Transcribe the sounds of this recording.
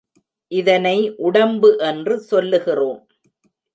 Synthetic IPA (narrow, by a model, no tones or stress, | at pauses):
ʔɪðɐnɐɪʔʊɽɐmbɯʔɛndrɯsɔlːɯɣɪroːm